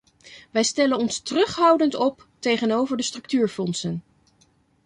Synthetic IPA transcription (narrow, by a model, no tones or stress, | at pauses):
ʋɛjstɛlənɔnstərɵχɦɑwdəntɔptejχənowvəɹdəstrɵk̚tyːɹfɔnsən